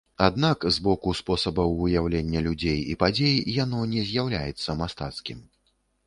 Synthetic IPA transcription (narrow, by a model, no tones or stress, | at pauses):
ad̪nakzbɔkuspɔsɐbɐwujawlʲenʲːɐlʲud͡zʲejipad͡zʲejjanɔnʲɛzʲjawlʲa̰jɛt̪sːɐmast̪a̰t̪skʲim